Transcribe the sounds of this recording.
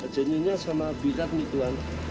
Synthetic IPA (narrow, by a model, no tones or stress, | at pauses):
əd͡ʒəɲiɲasamabiɾat̪̚mit̪uan